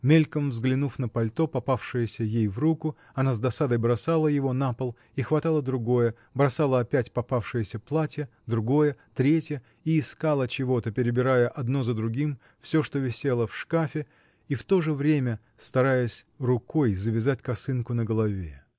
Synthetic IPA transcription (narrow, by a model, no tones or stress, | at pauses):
mʲelʲkəmvzɡlʲɪnufn̪əpɐlʲt̪o̞pɐpafʂɨjəsʲəjejvrukʊ | ɐnazd̪ɐsad̪əjbɾɐsalˠəjɪvo̞napəlˠ | ixvɐt̪alˠəd̪ɾʊɡo̞jə | bɾɐsalˠəɐpʲætʲpɐpafʂɨjəsʲəplˠatʲjə | d̪ɾʊɡo̞jət̪ɾʲetʲjə | iːskalˠət͡ɕɪvo̞t̪əpʲɪɾʲɪbʲɪɾajəʔɐd̪no̞zəd̪ɾʊɡʲim | fsʲo̞ʂt̪o̞vʲɪsʲe̞lˠəfʂkafʲɪ | ift̪o̞ʐɨvɾʲemʲə | st̪ɐɾajəsʲ | rʊko̞jzəvʲɪzatʲkɐsɨnkʊnəɡəlˠɐvʲḛ